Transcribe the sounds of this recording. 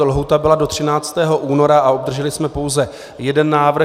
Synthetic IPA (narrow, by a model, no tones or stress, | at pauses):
lɦut̪abɪlado̞t̪r̝̥ɪnaːt͡st̪ɛːɦo̞ʔuːno̞ɾaaob̚d̪r̩ʒɛlɪsmɛpo̞wzɛ | jɛdɛnːaːvr̩